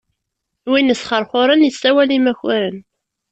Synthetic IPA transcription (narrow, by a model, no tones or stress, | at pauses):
winəsχəɾˤχʊɾˤənjəsːæwælimæçʊɾən